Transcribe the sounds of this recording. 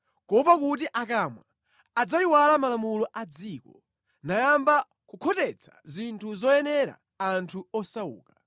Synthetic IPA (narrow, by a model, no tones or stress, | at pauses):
kɔpakut̬iʔakamwaː | d͡zaiwalamalamulɔʔad͡ziːkɔ | najamba | kukʰɔtɛt͡sʰḁ̰zintʰuzɔjɛnɛɾa̰ː | ntʰuɔsaṵːka